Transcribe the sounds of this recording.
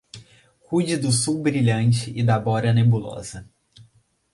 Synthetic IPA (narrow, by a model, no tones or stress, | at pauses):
kud͡ʒɪd̪ʊsuwbɾiʎɐ̃nt͡ʃɪʔɪd̪abɔɾɐnebulɔ̰zɐ